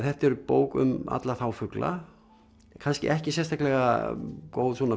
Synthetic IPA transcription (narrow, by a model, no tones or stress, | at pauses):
θɛht̪ɛɾʏpo̰ːwkʏ̰ma̰t̪laθawfʏklʔa̰ | kʰanscɪ̰ʔɛhcɪsjɛnst̪aklɛɣa̰koːwðswɔna